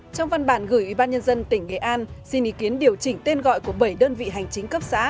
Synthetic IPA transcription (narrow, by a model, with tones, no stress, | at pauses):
t͡ɕɔ˧wŋ͡mva˧nɓaː˧˩nɣɨː˧˩jʔwi˧˩ɓaː˧nɲə˧nzə˧nt̪ï˧˩ŋ̟ŋḛ˧˨ʔaː˧nsi˧nʔḭ˧˦˥ki˨˦ənɗi˨˩əwt͡ɕï˧˩ŋt̪e˧nɣɔ̰˧˨jku˧˩əɓə˧˩jɗəː˧nvḭ˧˨ɦa˨˩jŋ̟t͡ɕï˨˦ŋ̟kə˦˥p̚sa̰ː˧˥